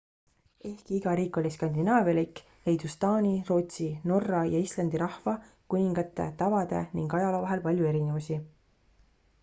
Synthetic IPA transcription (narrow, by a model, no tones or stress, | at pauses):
e̞hkiiɡ̥ɑɾiːkːˑo̞lʲiskɑnd̪inɑːvjɑlik | le̞jd̪ust̪ɑːnʲiro̞ːt̪sino̞rːɑjɑist̪lɑnd̪̥iɾɑhvɑ | kunʲiŋɡ̥ɑt̪ːˑe̞̰t̪ɑvɑd̪̥e̞̰niŋɡ̥ɑjɑlovɑɦe̞lpɑlʲjue̞ɾine̞vusi